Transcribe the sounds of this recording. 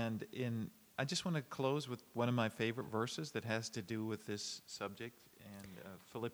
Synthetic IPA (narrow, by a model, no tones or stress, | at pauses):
ɨ̃nɪ̃n | ʔaɪd͡ʒʌst̚wɑ̃nɨkʰl̥oʊzwəðwʌ̃ɾ̃ʌvmaɪfeɪvə˞ɨtvɜ˞sɨzðɨt̚ɦɨz̥tʰɨdɨwɨðɪsʌb̚d͡ʒɪk̚t̚ | ɨ̃nfɪlˠɪp